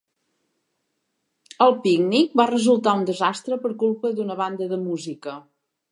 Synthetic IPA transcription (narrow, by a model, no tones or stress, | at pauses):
əlˠpiɡnik̚barəzulˠt̪aund̪əzast̪ɾəpəɾkulˠpəd̪unəβ̞and̪əðəmuzikə